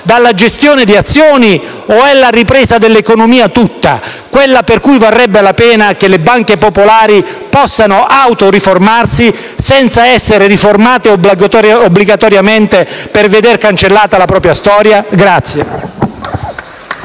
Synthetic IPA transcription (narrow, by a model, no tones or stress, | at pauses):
d̪alːad͡ʒest̪joːned̪iat̪sːjɔːni | ɔɛlːaripɾɛːzad̪elːekonomiːat̪ut̪ːa̰ | kwelːaperkujvarːɛbːelapɛːnakelebaŋk̟epopolaːɾipɔsːanoʔawt̪oriformarsi | sɛnt̪saɛsːeɾeriformaːt̪eobɡ̪obːliɡat̪ɔɾjament̪eperved̪erkant͡ʃelːaːt̪alapɾɔːp̬ɾjast̪ɔːɾjaɡɾat̪sːje